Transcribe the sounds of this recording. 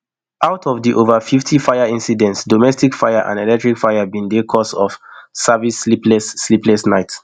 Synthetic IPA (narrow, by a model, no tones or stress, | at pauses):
ʔawtʰɔvdiʔovəfiftʰifaɪaĩnsidɛ̃ntsdomɛstikfajaʔã̰ndelɛk̚tɹikfajabĩndekʰɔsɔfsavisliplɛsːliplɛsnaɪt